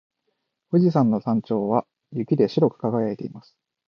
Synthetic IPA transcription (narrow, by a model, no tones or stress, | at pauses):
ɸoʑisãnːo̞sãɲ̟t͡ɕo̞ːβa | jɯ̟kʲid̪e̞ɕiɾo̞kɯ̟̥kaɡajaet̪e̞imasɨ̥